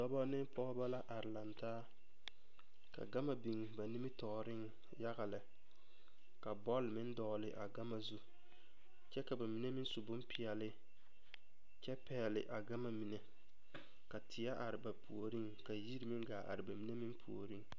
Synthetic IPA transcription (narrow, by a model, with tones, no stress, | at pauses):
dɔ˦bɔ˦nɪ˦ŋpɔ˦ba˦la˦ʔa˨ɾɪ˨la˨ntaː˦ | ka̰˨ɡa˦ma˨bi˨ŋba˨ni˦mɪ˦tɔː˨ɾɪ˦ŋ | ja˦ɣa˨lɪ˨ | ka˨bɔ˦lmɪ˦n˦dɔː˨lɪ̰˨ʔa˨ɡa˦ma˨zu˦ | t͡ʃɛ˦ka˨ba˨mi˨˦ne˦mɪ˦nsu˨bʊ˦mpɪ˨ɛ˨lɪ˦ | t͡ʃɛ˦pɛ˨lɪ˨ʔa˨ɡa˦ma˨mi˨nɛ˨ | ka˨tʰɪ˨ja˦ʔa˨ɾɪ˨ba˨pʰu˨o˨ɾi˦ŋka˨ji˦ɾi˨mɪ˦ŋɡaː˨ʔa̰˨ɾɪ˨ba˨mi˨˦ne˦mɪ˦mpʰṵ˨o̰˨ɾi˦ŋ